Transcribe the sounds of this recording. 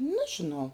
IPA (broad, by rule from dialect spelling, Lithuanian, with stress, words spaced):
ˈnɑːʒʲɪnɐʊ